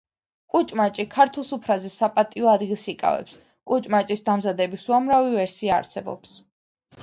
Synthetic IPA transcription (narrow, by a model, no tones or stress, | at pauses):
kʼut͡ʃʼmat͡ʃʼikʰaɾt̪ʰulˠsupʰɾazɛsapʼat̪ʼiɔad̪ɡilˠsikʼa̰vɛ̰ps | kʼut͡ʃʼmat͡ʃʼisd̪amzad̪ɛbisuamɾavivɛɾsia̰ːɾsɛbɔ̰ps